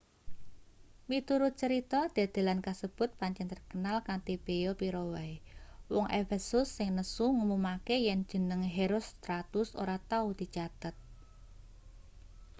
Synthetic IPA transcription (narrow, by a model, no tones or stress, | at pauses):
mit̪uɾʊt̪̚t͡ʃəɾit̪ɔd̪̥a̤d̪̥e̤lankasəb̥ʊ̤t̪̚paɲt͡ʃɛnt̪ərkənalkant̪ib̥eopiɾowajwɔŋʔefɛsʊsːɪŋnəsuŋumumakejɛn̥d͡ʒ̥ə̤nəŋɦeɾost̪ɾat̪ʊso̰ɾat̪aud̪̥i̤t͡ʃat̪ət̪̚